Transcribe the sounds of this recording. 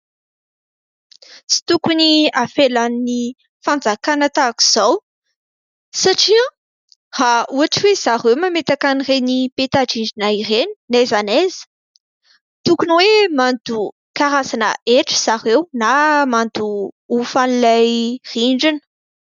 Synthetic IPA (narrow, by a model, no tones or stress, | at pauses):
t͡si̥t̪ukuniafelanːi | fand͡zakanət̪aku̥z̥aw | saʈ͡ʂiã | hauaʈ͡ʂiwez̥aɦewmamet̪akanirenipet̪aɖ͡ʐiɳɖ͡ʐinaireni̥nazanezə̥ | t̪ukunwemand̪u | kaɾasanə̰ʔeʈ͡ʂə̥z̥aɾewnamand̪uufanilajriɳɖ͡ʐinə̥